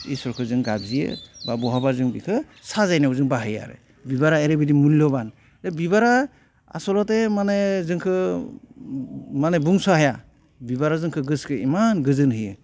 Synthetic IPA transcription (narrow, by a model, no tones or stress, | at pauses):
ḭsɔɾkʰɯzɯŋɡabzijɯ̰babɔɦabazɯŋbikʰɯ | sazajnauzɯŋbaɦɯja̰ɾɯ̰ | bibaɾaeɾebidimulilɔban | ɾebiβaɾa | a̰sɔlɔtemanezɯŋkʰɯ | manebuŋsaɦaja | bibaɾazɯŋkʰɯɡɯskʰɯimanɡɯzɯnɦɯjɯ